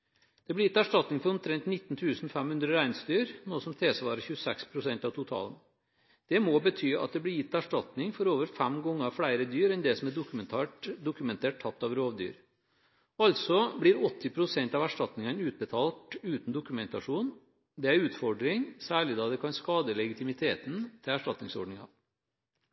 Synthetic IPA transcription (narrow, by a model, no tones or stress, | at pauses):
d̪̥ɛblɪjɪt̪ːæʂʈɑt̪nɪŋfɔɾɔmt̪ʰɾɛnt̪nɪt̪ːnt̪ʰʉːsnɔfæmhʉnd̪ɾəɾæɪnsd̪yːɾnoːsɔmt̪ʰeːsəʋɑːɾəçʉsɛkspʰɾʊsɛnt̪ɑʋt̪ʊt̪ʰɑ̰ːlən | d̪̥ɛmobət̪ʰyːɑ̰t̪̚d̪ɛblɪjɪt̪ːæʂʈɑt̪nɪŋfɔɾoːʋəɾfæmɡɔŋːəɾɑʋfɽæɪɾəd̪yːɾɛnd̪ɛsɔmæd̪ʊkʉmɛnt̪ʰæːʈd̪ʊkʉmɛnt̪ʰeːʈ̚tʰːɑt̪ːɑʋɾoːʋd̪y̰ːɾ | ɑlt̪sɔbɽɪɾɔt̪ːɪpʰɾʊsɛnt̪ɑʋæʂʈɑt̪nɪŋənʉːt̪̚bət̪ʰɑːlt̪ʉːt̪n̩d̪ʊkʉmɛnt̪ɑʂuːn | d̪ɛæɾʉːt̪fɔɖɾɪŋsæːɭɪd̪ɑːd̪ɛkʰɑnskɑːd̪əlɛɡɪt̪ʰɪmɪt̪ʰeːt̪n̩t̪ʰɪlæʂʈɑt̪nɪŋsɔ̰ɖɳɪŋɑ̰